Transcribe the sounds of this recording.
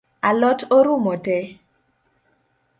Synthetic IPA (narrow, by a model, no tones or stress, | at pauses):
alɔtoɾumɔtɛ